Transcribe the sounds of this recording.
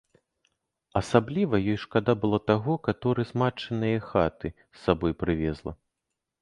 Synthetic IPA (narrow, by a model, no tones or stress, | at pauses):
ɐsablʲivɐjɔjʂkad̪abɨlˠɔt̪aɣɔkat̪ɔɾɨzmat͡ʂɨnɨjɐxat̪ɨ | sːabɔjpɾɨvʲɛzlˠɐ̰